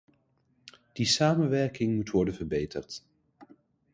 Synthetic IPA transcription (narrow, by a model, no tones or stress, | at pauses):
d̥isaːmənʋɛɹkɪŋmutʋɔɹdənvəɹbejtə̰rt